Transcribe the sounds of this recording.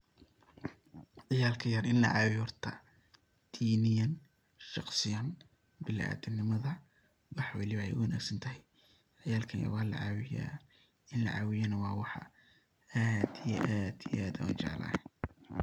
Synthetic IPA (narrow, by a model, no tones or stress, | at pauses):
ʕɪjaːlkʰɐjɐrɪnlɐ̰ʕɑwjuːrt̪ʰɐ | d̪̥iːnɪjɐn | ʃɑqsɪjan | bɪlæ̰ːd̪ɪnɪmɐðɐ | wɑħwɑlɪβɐɛjʊwɐnæ̰ːɡsɐnt̪ʰɐɦɛj | ʕɪjaːlkʰɐjɐ̰rwɑːlɐ̰ʕɑːwɪja̰ː | ɪnlɐ̰ʕɑːwɪjɐnɐwɑːwɑħɑ̰ | aːd̪ijɛ̰ʔaːd̪ijʔaːd̪ɐɐ̰nt͡ʃɑ̰ʕlɐ̰ː